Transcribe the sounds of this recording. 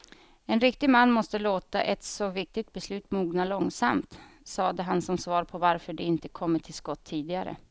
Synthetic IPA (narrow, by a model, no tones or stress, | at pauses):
ɛnɾɪk̚t̪ɪɡmanːmɔst̪əloːt̪a̰ʔɛt̪sɔvɪk̚t̪ɪɡt̪̚bɛslʉ̟ːt̪muːɡnalɔŋsamt̪sɑːd̪əɦansɔmsvɑːɾpʰɔvaɾfœɖɛɪnt̪əkʰɔmːəʈʰɪlskɔt̪ʰːiːd̪ɪɡaɾə̰